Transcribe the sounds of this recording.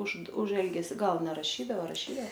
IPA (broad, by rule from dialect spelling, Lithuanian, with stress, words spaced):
ʊʃ ʊʃ ˈɛlʲɡʲɛsʲɪ ˈɡɐlˠ nʲɛrɐˈʃʲiːdɐoː rɐˈʃʲiːdɐ